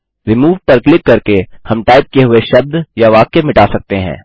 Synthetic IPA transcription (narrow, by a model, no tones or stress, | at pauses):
ɾɪmuːʋpɐɾklɪkːɐɾkehɐmʈaːɪp̚keɦʊeʃɐb̚d̪jaʋaːkemɪʈaːsɐk̚t̪eɦɛ̰̃ː